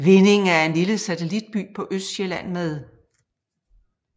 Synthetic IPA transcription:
ʋe̝ne̝ŋ̩æɐe̝nliləsæt͡sʰe̝lid̥̚b̥y̰ːpʰɒ̽ʔøsd̥ɕelæn̰með̞ˠ

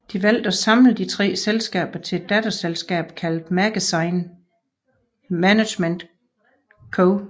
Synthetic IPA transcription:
d̥iʋæl̰d̥ɒ̽sɑ̈mləð̩ˠd̥it͡sʰʁɛ̰ːselsɡ̥ɛ̰ːb̥ɐt͡sʰe̝ed̥ːæd̥ɐselsɡ̥ɛ̰ːb̥kʰæld̥mæɡ̥æsɑ̈ɪn | mænæ̥ɕmend̥ | kʰoʊ

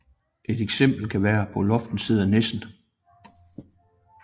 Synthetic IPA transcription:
ʔe̝d̥eɡ̥sem̰b̥l̩kʰæʋæːɐpʰɒ̽lɒ̽fd̥n̩siːð̞ˠɐnesn̩

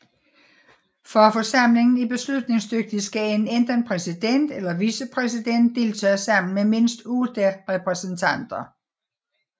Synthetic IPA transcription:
fɒfɒ̽sɑ̈m̰le̝ŋn̩ib̥e̝slud̥ne̝ŋsd̥øɡ̥̚d̥isɡ̥æe̝nend̥ɐnpʰʁɛsid̥en̰d̥elɐʋiːsəpʰʁɛsid̥en̰d̥ːe̝ːlt͡sʰɛ̰ːsɑ̈m̰n̩meme̝n̰sd̥ud̥eʁɛpʰʁɛsnt͡sʰæn̰d̥ɐ

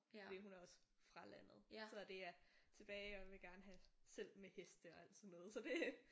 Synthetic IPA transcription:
d̥eɦunæɐɒ̽sfʁɑ̈læn̰ð̞̩ˠsɒ̽d̥e̝æɐt͡sʰe̝b̥ɛːɪɒʋe̝ɡ̥æɐnəɦæsel̰mehesd̥əɒ̽æl̰d̥sɒ̽nːɔ̽ːðˠsɒ̽d̥e̝

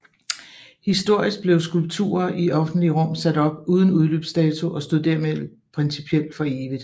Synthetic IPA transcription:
hisd̥o̝ɐ̰isɡ̥̚b̥le̝ʊsɡ̥ulb̥̚t͡sʰṵːɐʔiʔɒ̽fn̩d̥liəʁɔ̽m̰sæd̥ɒ̽b̥uːð̞ˠn̩uðˠlø̰ːb̥sd̥ɛːt͡sʰuʔɒ̽sd̥o̝ð̰ˠd̥æɐ̰meðˠ | pʰʁɛnsipʰiel̰d̥fɒ̽e̝ːʋið̩ˠ

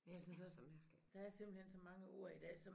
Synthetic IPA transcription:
njasynsd̥æsɒmæɐɡ̥lid̥ɑ̈æɐse̝m̰b̥l̩hen̰sɒ̽mɑ̈ŋəʔo̝ɐ̰id̥ɛ̰ːsɒ̽

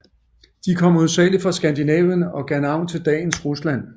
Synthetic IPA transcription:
d̥ikʰɒ̽m̰uðˠsɛ̰ːli̥fʁɑ̈sɡ̥ænd̥inɛːʋənɒ̽ɡ̥ænɑ̈ʊ̰nt͡sʰe̝ld̥ɛ̰ːn̩sʁuslæn̰

